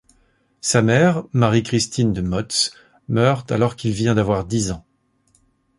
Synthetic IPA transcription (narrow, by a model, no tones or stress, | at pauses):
samɛʁmaʁikχist̪ind̪əmɔt̪s | mœʁt̪alɔʁkilvjɛ̃d̪avwaʁd̪izɑ̃